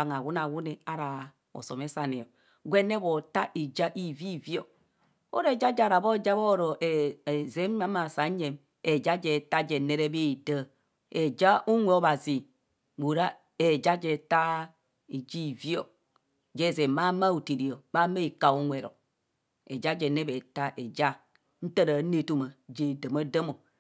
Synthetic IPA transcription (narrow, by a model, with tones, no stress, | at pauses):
a˨ŋa˨wu˦na˨wu˦ne˨a˦ɾa˨ | o̰˨so˨me˦sa˨ne˨o˨ | ɡʷe˦ne˦bo˨ta˦ʔi˨d͡ʒa˦ʔi˦˨vi˦˨vi˦o˦˨ | o̰˦ɾe˨d͡ʒa˦d͡ʒa˨ɾa˨bo˦˨d͡ʒa˦βo˦˨ɾo˨ʔe˨e˨ze˦m˦a˦ma˨sa˨˦ɲe˨m | e˨d͡ʒa˦d͡ʒe˨ta˦d͡ʒe˨ne˦ɾe˦be˦i˨də˦ | e˨d͡ʒa˦ʔu˦ŋʷe˨o˦ba˨zi˨ | bu˨ɾa˦ | e˨d͡ʒa˦d͡ʒe˨ta˦ | i˨d͡ʒi˦˨vi˦o˨ | d͡ʒe˦˨ze˨ma˦ma˦u˨ti˨ɾi˨o˨ba˦me˦i˨ka˨u˦ŋʷe˨ɾo̰˨ | e˨d͡ʒa˦d͡ʒe˨ne˦be˨ta˦ʔe˨d͡ʒa˦ | n̩˦tə˦ɾa˨˦ne˦tu˦ma˨d͡ʒe˨də˨ma˦də˦mo˨